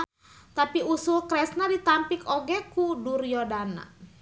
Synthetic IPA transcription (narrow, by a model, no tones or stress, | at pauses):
t̪apiusʊlkɾɛsnadit̪ampikoɡɛkudurjɔdana̰